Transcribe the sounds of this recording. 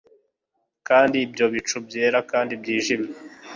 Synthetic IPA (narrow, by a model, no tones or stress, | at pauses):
kaːndiːbjo̞βit͡ʃubje̞ːɾakaːndibjiːʒimje